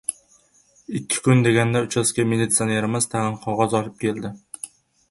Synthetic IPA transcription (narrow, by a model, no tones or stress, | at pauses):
ɪkʲʰːɪ̥kʊnd̪eɡʲand̪aʊt͡ʃʰaskʲamelit̪sioneɾɪmɪz̥t̪ʰæʁɨnqʰɒʁɒzɒlɪp̚kʲʰeld̪ɪ